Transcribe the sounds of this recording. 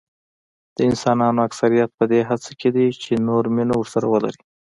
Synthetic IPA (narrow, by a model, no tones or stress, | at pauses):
d̪̥əɪnsɑnɑnoaksaɾijat̪̚pəd̪eɦat͡sakʰed̪it͡ʃenoɾminowəɾsaɾawəla̰ɾi